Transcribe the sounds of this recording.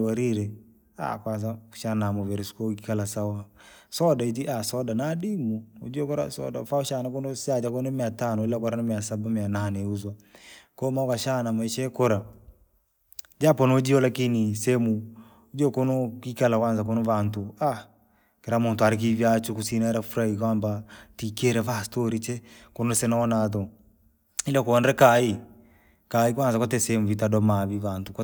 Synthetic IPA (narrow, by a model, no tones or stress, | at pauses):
waɾiɾɛ | a̰kwans̬ḁʃanamɔvɛɾiskokikalasawasɔdait̬iʔasɔdanadimuo̰d͡ʒiokɔɾa̰sɔ̰dafauʃanakonosad͡ʒakonɔmiatanɔlakɔɾanamiasabamiananeuz̬wakomaukaʃanamaiʃɛkɔɾa | d͡ʒapɔnod͡ʒiɔlakinisɛmu | d͡ʒɔkɔnɔkikalakwanzak̬ɔnɔβantua | kɛɾamuntuaɾik̬ivjat͡ʃukusinaɾafuɾaikwambatikɛɾɛvastɔɾit͡ʃɛkɔnɔsɛnaɔnaðɔ | ilakɔɔnɾɛkai | kaikwanzakwɔtɛsɛmuvitaɗɔmaβiβantukɔ